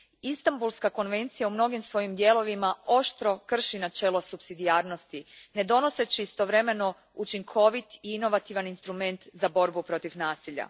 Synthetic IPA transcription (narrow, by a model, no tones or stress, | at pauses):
ist̪ambulˠskako̞nʋe̞nt̪sijaumno̞ɡimsʋo̞jimd̪je̞ːlo̞ʋimao̞ʃt̪ɾo̞kr̩ʃinat͡ʃe̞ːlo̞supsid̪iaːɾno̞st̪ine̞d̪o̞no̞se̞t͡ɕiːst̪o̞ʋɾe̞me̞no̞ | ut͡ʃiŋkʰo̞ʋit̪iino̞ʋat̪iʋaninst̪ɾume̞nt̪zabo̞ɾbupɾo̞t̪iʋnaːsiʎa̰